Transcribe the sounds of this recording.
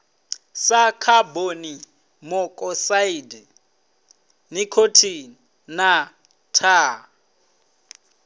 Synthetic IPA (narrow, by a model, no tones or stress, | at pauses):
sakʰaboni | mɔkʼɔsaidɛ | nikʰotʰi | na | tʰa